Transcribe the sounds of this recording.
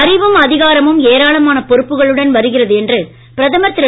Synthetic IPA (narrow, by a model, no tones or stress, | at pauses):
ɐɾɪʋɯmɐðɪɣaːɾɐmɯmeːɾaːɭɐmaːnɐpɔɾɯpːɯɣɐɭɯɽɐnʋɐɾɯɣɪrɐðɯɛndrɯ | pɪɾɐðɐmɐt̪ːɪɾɐ